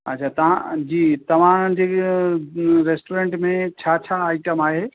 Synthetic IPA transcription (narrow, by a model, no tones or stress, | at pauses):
ɐtːt͡ɕʰaːt̪ɐʋ̤ã̰d͡ʑiːt̪ɐʋ̤ãd͡ʑeː | ɾeːsʈoːɾẽːɳʈmẽt͡ɕʰaːt͡ɕʰaːaːɪʈəmaːɦeː